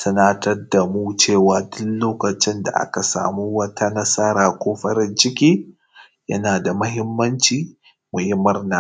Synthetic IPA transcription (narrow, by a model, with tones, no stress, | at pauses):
sɐ˦na˦tɐ˦rda˨mu˦t͡ʃeː˦˨waː˦dʊ˦nloː˦kɐ˨t͡ʃɪ˦nda̰˨ʔa̰˦ka˨sa̰ː˨muː˦wɐ˦tʰa˦nɐ˦sa˦ɾaː˨kʷoː˦ɸɐ˦ɾɪ˦nt͡ʃɪ˦kʲiː˦ | jɐ̰˦naː˨da˨mɐ˦ɦɪ˦mːɐ˦nt͡ʃiː˨ | mu˨ji˦mɐ˦rnaː˨